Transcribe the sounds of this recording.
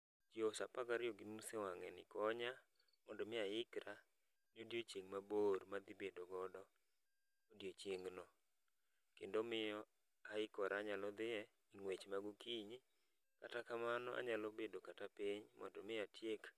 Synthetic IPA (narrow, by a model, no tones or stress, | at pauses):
tjosapakaɾjoɡinusewaŋɛ̰nɪ̰kɔɲa | mɔndɔmɪaɪkɾa | nodjot͡ʃjeŋmaboɾmad̪ibedoɡɔdɔ | odjot͡ʃjeŋnɔ | kendomɪjɔ | aɪkɔɾaɲalɔd̪ɪɛ | iŋwet͡ʃmaɡukiɲ | katakamanɔʔa̰ɲalɔbedokatapɪɲmɔ̰ndɔmɪatjek